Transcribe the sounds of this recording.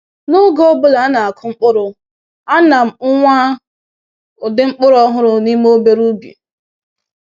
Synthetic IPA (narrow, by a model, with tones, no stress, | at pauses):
nʊ˦ɡɔ˦bʊ˦la˨a˦na˨a˨kʰʊ˨˦ŋ͡m̩˦k͡pʊ˦ɾʊ˨ | a˦na˨m̩˨ʊ˦ŋʷa˦˨ | dɪ˦ŋ͡m̩˦k͡pʊ˦ɾɔ˦ɦʊ˦ɾʊ˨ni˦mo˦be˦ɾu˦bḛ˨